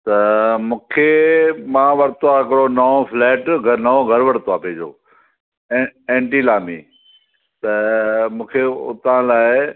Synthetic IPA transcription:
t̪ɐmũːkʰemãʋɐɾt̪oaɦɪkɪɽonɐofʰlɛːʈɡʱɐnɐõɡʱɐɾʋɐɽt̪oaːpiːd͡ʑõ̰ː | ẽːɳʈilaːmḭː | t̪ɐmũːkʰeʊ̰t̪ãlaːɪɪ

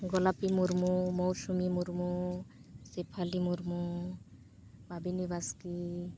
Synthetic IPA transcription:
ɡɔlapimuɾmumɔwsumimuɾmu | sepʰalimuɾmu | babinibaski

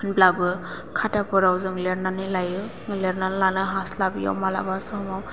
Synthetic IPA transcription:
blabɯ | kʰatapɔɾawzɯŋleɾnanilajɯ | ŋleɾnanlanɯɦaslabija̰wmala̰basɯhɔmaw

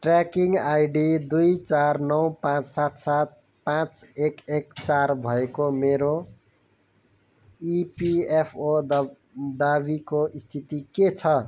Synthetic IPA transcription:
ʈrakiŋɡajɖid̪ujt͡sarnʌwpãt͡ssat̪sat̪̚ | pãt͡sekekt͡sarbʱʌekomeɾo | ipiepʰo | d̪abikoʔist̪ʰit̪iket͡sʰʌ

